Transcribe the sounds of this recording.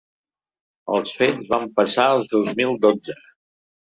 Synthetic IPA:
ə̰lˠsfezβampəsaəlˠzðozmilˠd̪od͡zə

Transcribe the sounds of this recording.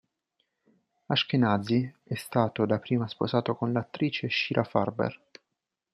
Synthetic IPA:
aʃkenad̪ziɛst̪aːt̪od̪apːɾiːmaspozaːt̪okonlat̪ːɾiːt͡ʃeʃiːɾʔafa̰rbḛr

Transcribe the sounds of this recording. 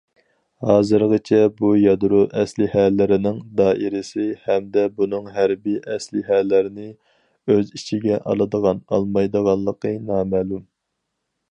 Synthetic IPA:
hɑːzɨɾʁət͡ʃʰɛbujɑd̪ɾuʔɛslɪhælːɪɾɪnɪŋd̪ɑːʔiɾɪsɪhɛmd̪ɛbunɨŋɦæɾbiʔɛslɪɦælːɪɾɪnɪ | øzit͡ʃʰiɡʲɛʔɑ̰lˠɨd̪əʁɑnɑ̰lˠmɑjd̪əʁɑllˠːəqʰənɑːmæːlum

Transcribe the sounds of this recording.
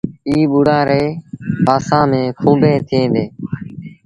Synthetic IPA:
iːɓuɽãːɾeːpaːsãːmẽːkʰũːbʱẽːt̪ʰɪẽːd̪eː

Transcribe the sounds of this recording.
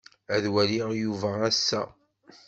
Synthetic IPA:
æðwæliʁjuvææsːæ̰

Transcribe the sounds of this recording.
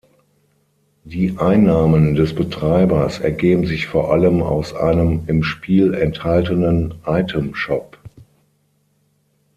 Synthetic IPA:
d̥iːʔaɪnːaːməndɛsb̥ətʁ̥aɪbɐsɛɐɡeːbm̩zɪçfoːɐʔaləma̰ʊsʔa̰ɪnəmɪmʃpʰiːlɛnthaltənənʔaɪtʰəmʃɔp

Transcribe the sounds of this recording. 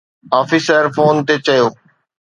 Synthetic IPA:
aːfiːsəɾfoːnt̪et͡ɕɐjoː

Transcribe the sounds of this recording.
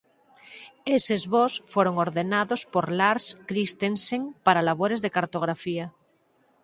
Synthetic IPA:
esezβosfweɾoŋoɾðenaðospoɾlaɾskɾist̪enseŋpaɾalaβ̞oɾe̞zðe̞kaɾt̪o̞ɣ̞ɾafia

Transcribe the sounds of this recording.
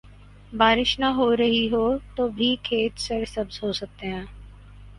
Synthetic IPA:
baːɾɪʃnaɦoːɾɐɦiɦoːt̪oːbʱikʰeːt̪səɾsɐbzɦoːsɐk̚t̪eɦɛ̃ː

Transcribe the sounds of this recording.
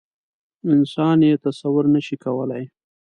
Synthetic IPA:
ɪnsɑnjet̪asawʊɾnəʃikawəlaj

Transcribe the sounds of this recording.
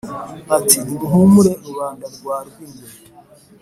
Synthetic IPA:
atidiɾiɦomuɾeuβaːndaɾɡwaːɾɡinde

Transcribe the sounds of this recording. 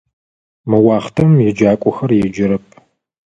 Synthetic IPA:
mɨwɑːχtʰɐmjɛd͡ʒaːkʷʼɔxɐrjɛd͡ʒɪɾɐp̚ʰ

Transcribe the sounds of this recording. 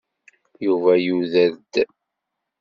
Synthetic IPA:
juvæjuðæd̪

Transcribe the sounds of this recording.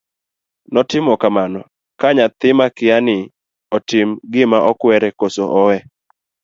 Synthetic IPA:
nɔtɪmɔkamanɔ | kaɲat̪ɪmakɪanɪ | ɔtɪmɡɪmaʔɔkwɛɾɛkosoʔɔwɛ

